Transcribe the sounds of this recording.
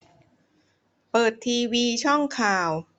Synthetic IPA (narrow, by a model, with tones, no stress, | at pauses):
pɤː˨˩t̪ʰːiː˧wiː˧t͡ɕʰɔ˥˩ŋkʰaː˨˩w